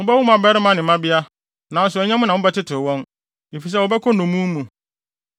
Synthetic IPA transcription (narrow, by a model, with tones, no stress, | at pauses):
ʊ̃˦bɛ˦wʊ̃˦m˦a˨bɛ˦ɾɪ˦mã˦nɪ̃˨˦mã˦bɪ˦a˦ | nã˨n̩˦s̬ʊ˨ɛ˨ɲɛ̃˦mʊ̃˦nã˨wʊ̃˦bɛ˦tɪ˦tʰɪ˨wɔ̃˦n | e˨fi˨s̬ɛ˦˨wɔ˨bɛ˦kʰɔ˦nʊ̃˨mũ˦mũ˨